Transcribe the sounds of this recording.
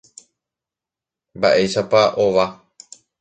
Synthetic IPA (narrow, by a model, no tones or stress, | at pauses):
mbaʔe̞ʃapaʔoʋa